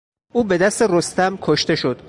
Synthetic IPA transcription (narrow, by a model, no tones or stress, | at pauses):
ʔuːbe̞d̪æst̪erost̪æmkʰoʃt̪e̞ʃo̞d̪̥